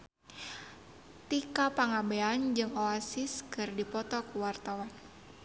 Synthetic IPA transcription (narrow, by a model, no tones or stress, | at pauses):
t̪ikapaŋabɛand͡ʒɨŋoasɪskɨrdipɔt̪ɔkuwart̪awan